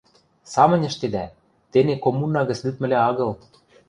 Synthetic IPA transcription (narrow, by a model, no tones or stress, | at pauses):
sɑmə̆nʲə̆ʃt̪ed̪æ | t̪enekomunːɑɣə̆t͡slyt̪mɘ̆lʲæɑɣɤ̆l